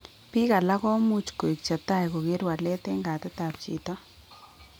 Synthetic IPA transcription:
pi˦ka˨la˦kɔ˦mu˦t͡ʃko˨i˨k̚t͡ʃa˨ta˦˨jko˨ke˦ɾwa˨lɛ˦te˦ŋɡa˨tɛ˦ta˨pt͡ʃḭ˨tɔ˦

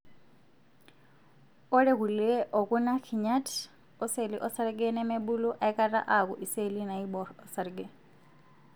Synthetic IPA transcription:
ɔ˦ɺɛ˦ɣu˨lɛ˦ʔɔ˨kunakʰi˨ɲa˦tʰ | ɔ˦seliʔɔ˦sa˦ɾɡɛ˦nɛ˦mɛɓu˦lu˦ʔa˨i˦kʼara̰ʔak̬uʔi˨se˦lina˨iɓɔɾɔsaɾɡɛ

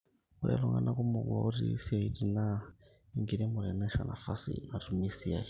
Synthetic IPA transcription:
o˨ɾa̰˨lɔ˨ŋɡa̰˦nʔa˦ku˦mo˨ɡwɔ̰˦ɾḭ˦si˦a˨i˨ti˨na˦ | i˨ŋɡi˨ɾe˦mo˨ɾɛ˨na˦ʃa˨na˨fa˦sḭ˨na˨tu˨mi˦si˦a˨˦

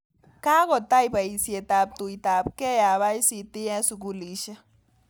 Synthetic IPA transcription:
ka˦kɔ˨t̪a˦jba˨i˨sje˨ta˨p̚t̪u˨ita˨p̚kɛ˦ja˨βa˦jsi˨t̪i˦ɛ˦su˨k̬u˦li˨˦ʃa˦

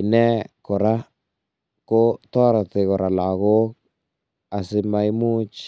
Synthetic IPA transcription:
ɪ˨nɛ˦kɔ˨ɾa˦ | ko˦tɔ˦ɾa˨tɪ˨kɔ˨ɾa˨la˨ɣo˦ | a˨sɪ˦ma˦i˦mu˦t͡ʃ

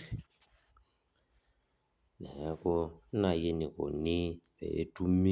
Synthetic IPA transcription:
nɛ˨ɛ˦kɔ˦na˦˨je˦ni˨ko̰˨ni˦βɛ̰˨ḛ˦tu˦mi˦

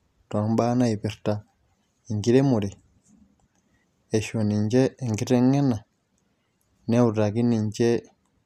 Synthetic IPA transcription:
ta˨mba˦na˦i˨pi˨ɾta | i˨ŋɡi˦ɾe˦mu˨ɾi˨ | e˨ʃo˨ni˨ɲd͡ʒe˦˨ŋɡi˦ɾe˦ŋe˦na˨ | ne˦u˨ta˨ki˦ni˨ɲt͡ʃe˦

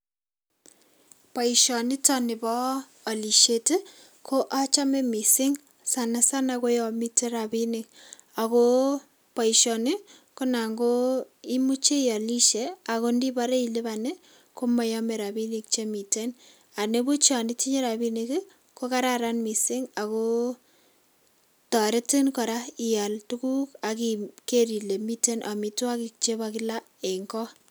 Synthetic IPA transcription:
pa˨i˨ʃɔ˨nɪ˦tɔ˦nɪ˨bɔː˦˨ | li˨ʃe˨te˦ | kʰo˦ʔa˦t͡ʃa˦me˦mi˨sɪ˦ŋ | sa˨na˦sa˦na˨ko˦jɔ˨mi˦te˦ɾa˨bi˦nɪ˨k | a˨ko˦ | pa˨i˨ʃɔ˨nɪ˦ | ko˦na˨ŋɡo˦i˦mu˦t͡ʃe˦jɔ˨li˦ʃe˨a˨ko˦ndi˦ba˦ɾe˦i˨lɪ˦ba˨ne˦ | ko˦mɔ˨jɔ˦me˨ɾa˨bi˦ni˦k̚t͡ʃe˦mi˨te˦n | a˨ne˦bu˦t͡ʃa˨nɪ˦ti˦ɲe˦ɾa˨bi˦niki˦ | ko˦ka˦ɾa˦ɾa˦nmi˨sɪ˦ŋa˨ko˦ | tɔ˨ɾe˦ti˦nkɔ˨ɾa˦i˨ja˨ltu˦ku˦ka˨kike˦ɾi˨le˨mi˦te˦nʔa˨mi˨twa˦ki˨k̚t͡ʃe˦bakɪ˦la˦ | e˨ŋɡɔ˦

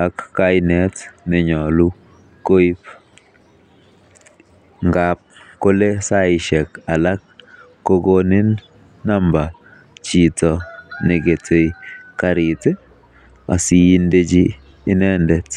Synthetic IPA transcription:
a˨kːa˦jnɛ˨tnɪ˨ɲɔ˨lu˦ | ko˦i˦p | ŋɡap̚ko˦le˦sa˦ɪʃɛ˨ka˨la˦k̚ː | o˦ɡo˦nɪ˦nː | a˦mba˨ | t͡ʃi˨tɔ˨nɪ˨ɡe˨tʰe˨jka˨ɾɪ˨te˦ | a˨si˨ji˦nde˦d͡ʒiː˦ | nɛ˦ndɛ˨t

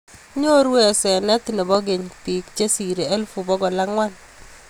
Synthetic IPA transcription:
ɲo˦ɾwɛ˨sɛ˨nɛ˦t̪i˨ne˨bɔ˦ɡe˨ɲpi˨kt͡ʃe˦si˨ɾe˨e˦lfu˨bɔ˦ɡɔ˨la˦ŋwa˦n

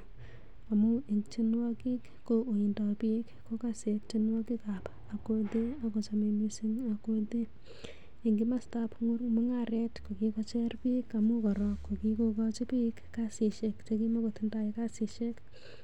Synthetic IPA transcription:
a˨mʊiŋt͡ʃɪ˦nwɔki˦kːoʔo˨ji˨ndɔpi˦kːo˦kasek̚t͡ʃɪnwɔ˦ki˦kap | a˨kode˦a˨ko˨t͡ʃame˧misi˦ŋa˨kode˦ | i˨ŋɡima˦stapŋʊ˦rmʊ˦ŋaɾɛtko˨kikɔt͡ʃɛrpika˨mu˦kɔ˨ɾɔkːo˨kikokɔ˦t͡ʃɪ˦pi˦kːasi˨ʃekt͡ʃeki˦ma˦ko˨tɪnda˦ɪkasi˨ʃek

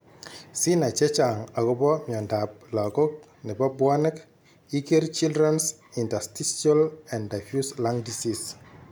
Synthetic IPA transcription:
si˦na˨t͡ʃɛ˦t͡ʃa˨ŋa˨ko˦bɔ˦mɔ˨nda˨p̚la˨ko˦k̚ | nɪ˨ba˦bwa˦nɪ˦k | i˦ke˦ɾt͡ʃi˦ldɾɛ˦nsi˨nta˨stisa˦lɛ̃˨nda˨fjusla˦ŋdisis

